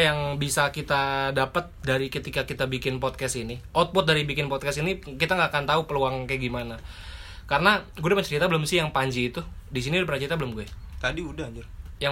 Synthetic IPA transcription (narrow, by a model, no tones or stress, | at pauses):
jaŋbisakit̪adapət̪̚daɾikət̪ikakit̪abikɪnpɔt̪̚kɛsiniʔɔt̪̚pʊt̪̚daɾibikɪnpɔt̪̚kɛsinikit̪aŋɡaːkant̪aupəluaŋkaɡimana | kaɾənaɡudamət͡ʃəɾit̪abəlʊmsɪjaŋpaɲd͡ʒiːt̪udis̬inidbərat͡ʃəɾit̪abəlʊmɡuɛ | t̪adiudahd͡ʒʊrja